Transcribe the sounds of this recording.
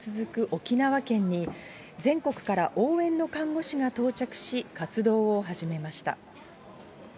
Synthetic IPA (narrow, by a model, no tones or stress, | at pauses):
t͡sɨzɨkɯ̟ʔo̞kʲinaβakẽ̞ɲ̟ːi | zẽ̞ŋko̞kɯ̟̥kaɾaʔoːẽ̞nːo̞kãŋɡo̞ɕiŋat̪o̞ːt͡ɕakɯ̟̥ɕikat͡sɨd̪o̞ːoɦaʑime̞maɕi̥t̪a̰